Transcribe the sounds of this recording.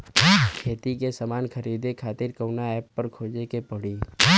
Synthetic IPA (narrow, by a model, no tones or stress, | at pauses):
kʰeːt̪ikesɐmaːnkɐɾiːd̪ekʰaːt̪ɪɾkɐwnaɛːpːɐɾkʰoːd͡ʒekepɐɽi